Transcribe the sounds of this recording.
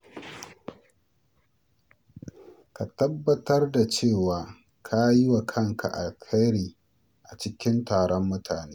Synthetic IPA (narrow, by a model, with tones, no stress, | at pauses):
ka˨tɐ˦bːɐ˦tɐ˦rda˨t͡ʃeː˦˨waː˨ | kʰa˦ji˦wa˨kʰɐ˦ŋkʰa̰˨ʔa̰˨lkʰa˦jɽiː˨ | ʔa˨t͡ʃɪ˦kʲɪ˦ntaː˨ɽɔ˦mːʊ˦tʰaː˨neː˦